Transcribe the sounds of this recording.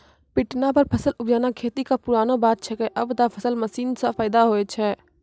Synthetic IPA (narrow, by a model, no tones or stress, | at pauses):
pɪʈnap̬əɾpʰəsəlʊbd͡ʒaːnakʰeːt̪ikapʊɾaːnobaːt̪̚t͡ʃʰɛkeʔɐbd̪apʰəsəlməsiːnsapʰaːd̪aɦoːet͡ʃʰɛː